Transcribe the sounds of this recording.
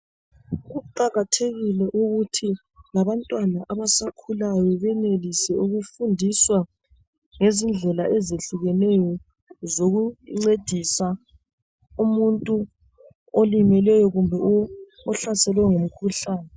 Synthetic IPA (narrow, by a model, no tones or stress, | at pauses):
ɣuǃaɣatʰeɣilɛʔuɣutʰi | laβantʼwanaʔaβasakʰulajɔβɛnelisɛuɣufundʱiswa | ŋezind͡ɮʱɛlaʔezeɬuɣɛnɛjɔ | zoɣuŋ͡ǀed̥ʱisa | umuntʼu | olimɛlɛjɔɣumbʱɛ | ɔɬasɛlwɛŋum̩kʰuɬaːnɛ